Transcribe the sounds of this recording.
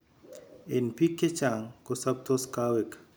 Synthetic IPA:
enpʰikːet͡ʃaŋkosɐb̚t̪oskawek

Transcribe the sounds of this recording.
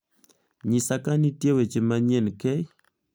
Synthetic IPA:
ɲɪsakanitjewet͡ʃemaɲenkɛj

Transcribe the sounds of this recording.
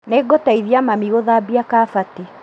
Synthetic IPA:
nɛɡɔtaiðjamamiɣoðabiakafati

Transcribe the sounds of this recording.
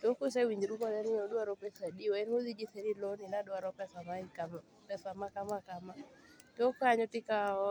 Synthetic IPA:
tokus̬ɛwiɲd͡ʒɾukɔðɛnioduaɾɔpɛsadiwɛnoðid͡ʒiθɛɾilɔninadɔaɾɔpɛsamaika | pɛsamakamakamatːkaɲɔtɪkaɔ

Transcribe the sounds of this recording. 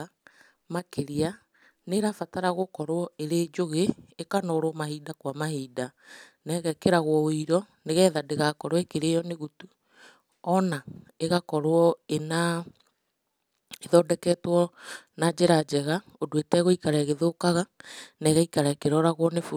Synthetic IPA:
a | makeɾia | neɾafataɾaɣokɔɾwɔeɾeːd͡ʒoɣeːkanɔɾwɔmahiːdakwamahiːdanɛɣɛkeɾaɣwɔoiɾɔneɣɛðadeɣakɔɾwekeɾeːjɔneɣutu | ɔnaeɣakɔɾoɔena | eðɔːdɛkɛtwɔnad͡ʒeɾad͡ʒɛɣa | odwetɛɣoikaɾaeɣeðokaɣanɛɣaikaɾaekeɾɔɾaɣwɔnefu

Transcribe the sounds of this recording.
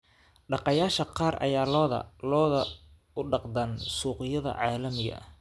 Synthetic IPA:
ɖɑqɑjaːʃɐqɑːrʔɐ̰jaːlɔːð̰lɔːðɐ | ʊɖɑqd̪ɐnsuːqɪjɐðɐ̰ʕɑːlɐmɪɡɐ̰

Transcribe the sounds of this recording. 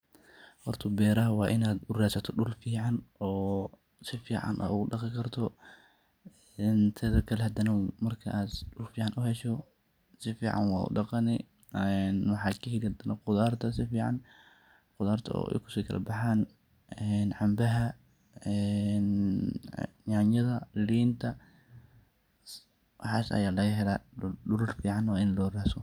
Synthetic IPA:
hɔrt̪ʰʊbɛːɾɐɦɐwɑːʔɪnaːd̪̚ʊrasɐt̪ʰɔɖʊlfiːʕɑnɔː | sɪfiːʕɑ̰nʔa̰ːʊɣʊɖɑqɪkʰɐrt̪ʰɔ | nt̪ʰɐðɐkʰɐlɛhɐd̪ɐnɐmɐrkʰɐʔaːd̪ɖʊlfiːʕɑnʔʊhɛʃɔ | sɪfiːʕɑ̰nwɑ̰ːʊ̰ɖɑqɑnɪ | ɛnwɑħɑːkʰɐhilɪhɐd̪ɐnɐqʊðaːrt̪ʰɐsɪfiːʕɑ̰n | qʊðaːrt̪ʰɐɔ̰ɛ̰jkʰʊ̥siːkʰɐ̰lɐ̰bɑħaːn | ɛnʕɑmbɐɦɐ | ɛn | janjɐðɐliːnt̪ʰɐ | wħɑːsɐ̰jaːlɐɣɐɦɛlaːɖʊlʊrfiːʕɑnɔɪnlɔːraːsɔ

